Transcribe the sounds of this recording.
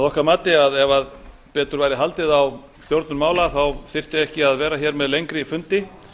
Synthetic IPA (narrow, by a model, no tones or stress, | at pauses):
aðɔhkaɾmaːt̪ɪaðɛvað | pɛːt̪ʏɾvaːjɾɪɦalt̪ɪðaw | st̪jowɾt̪nʏɾmaːwlaθawθɪr̥t̪jaɣɛhcɪaðvɛːɾaçɛːɾmɛðlejŋkɾɪfʏnt̪ɪ